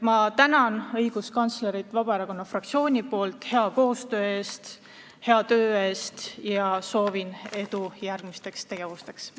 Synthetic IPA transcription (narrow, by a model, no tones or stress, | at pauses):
mɑt̪ænɑnɤjɡ̥uskɑnt̪sleɾit̪ːˑvɑb̥ɑe̞ɾɑko̞nːɑfrɑk̚t̪sio̞ːnʲipo̞ːlt̪ˑhe̞ɑko̞ːst̪ø̞ːe̞ːst̪ | he̞ɑt̪ø̞ːe̞ːst̪jɑso̞ːvine̞d̪ujærɡ̥mist̪e̞kst̪e̞ɡ̥e̞vust̪e̞ks